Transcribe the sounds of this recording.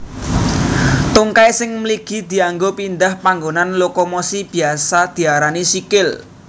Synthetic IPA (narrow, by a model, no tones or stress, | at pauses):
t̪uŋkajsɪŋmliɡ̥i̤d̪̥i̤aŋɡopind̪ahpaŋɡonanlokɔmosib̥i̤asad̪̥i̤aɾanisikɪl